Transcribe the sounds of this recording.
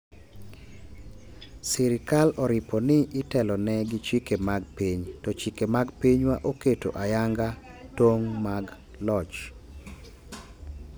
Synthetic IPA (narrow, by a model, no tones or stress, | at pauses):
siɾɪkalɔɾɪpɔnɪɪtɛlɔnɛɡɪt͡ʃikemaɡpiɲtɔt͡ʃikemaɡpiɲwaʔoketo̰ʔajaŋɡa | toŋmaɡ | lɔt͡ʃ